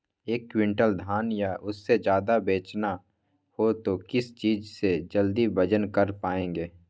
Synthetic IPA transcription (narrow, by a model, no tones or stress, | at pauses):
eːkːwɪ̃ɳʈəld̪ʱaːnjaʔʊsːed͡ʒjaːd̪abeːt͡ʃna | hot̪okɪst͡ʃiːd͡ʒsed͡ʒəld̪ibəd͡ʒənkəɾpaːẽːŋɡeː